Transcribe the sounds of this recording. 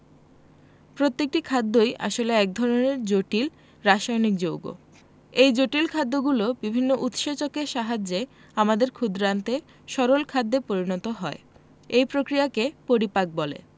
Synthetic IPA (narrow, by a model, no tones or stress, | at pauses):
pɾot̪ːek̚ʈikʰad̪ːojʔa̰ʃoleɛk̚d̪ʱɔɾoneɾd͡ʑoʈil | ɾaʃajnik̚d͡ʑowɡo̰ | ejd͡ʑoʈilkʰad̪ːoɡulobibʱinːoʔut̪ʃet͡ɕokeʃaɦad͡ʑe | amad̪eɾkʰud̪ɾant̪e | ʃɔɾolkʰad̪ːepoɾinɔt̪oɦɔe | ejpɾokɾijakepoɾipak̚bɔlḛ